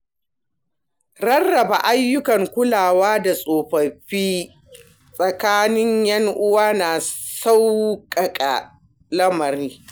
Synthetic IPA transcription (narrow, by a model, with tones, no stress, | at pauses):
ɾɐ˦rːɐ˨ba˨ʔa˦jːʊ˦kɐ˨ŋkʷʊ˦laː˨waː˦da˨sʼoː˨ɸɐ˨ɸiː˦ | sʼɐ˨kaː˦nɪ˦ɲjɐ˦ŋʔʊ˦waː˦naː˨sa˦wkʼɐ˨kʼa̰˨ | lɐ˦mɐ˨ɾiː˦